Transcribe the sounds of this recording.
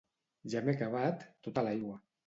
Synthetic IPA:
ʒamekaβ̞at̪ːot̪alajɣwa

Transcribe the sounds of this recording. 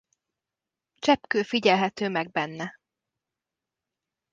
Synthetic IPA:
t͡ʃɛpkøːfiɟɛlɦɛt̪øːmɛɡ̚bɛnːɛ

